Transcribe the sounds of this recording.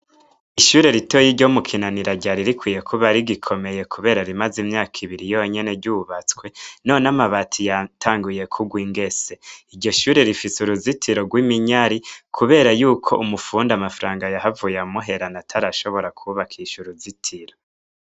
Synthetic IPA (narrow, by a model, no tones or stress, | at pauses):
iʃuːɾe̞ɾitojiɾɟo̞mukʰinaniɾaɟaɾiɾikwiːje̞kʰuβaɾiɡikʰo̞me̞je̞kʰuβe̞ːɾaɾimazimɲaːkʰiβiɾijo̞ɲe̞ne̞ɟuβat͡skwe̞no̞namaβatʰijatʰaːŋɡuje̞kʰuɡwiːŋɡe̞se̞iɾɟo̞ʃuːɾe̞ɾifisuɾuzitʰiɾoɡwimiɲaɾikʰuβe̞ːɾajuːkʰo̞ʔumufuːndamafɾaːŋɡajaɦavujamuɦe̞ɾanatʰaɾaʃo̞βo̞ɾakʰuβakʰiːʃuɾuzitʰiɾo̞